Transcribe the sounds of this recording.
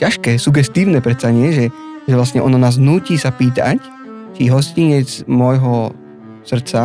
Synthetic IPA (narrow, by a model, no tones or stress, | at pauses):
caʃkɛːsuɡɛst̪iːʊnɛpɾɛt̪saɲɪɛʒɛʒɛʋlast̪ɲɛʔɔnɔnaːznuːciːsapiːt̪a̰c | t͡ʃiɦɔsciɲɛt͡smɔjɦɔ | sr̩t̪t͡sa